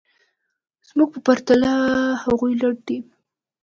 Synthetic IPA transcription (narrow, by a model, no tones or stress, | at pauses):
z̥muɡ̚pəpaɾt̪alahaɣujlaɽ̚ɖ̪i